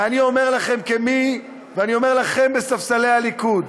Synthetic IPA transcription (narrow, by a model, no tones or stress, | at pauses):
anio̞me̞ʁlaχe̞mkemi | veanio̞me̞ʁlaχe̞mbesafsale̞jalikud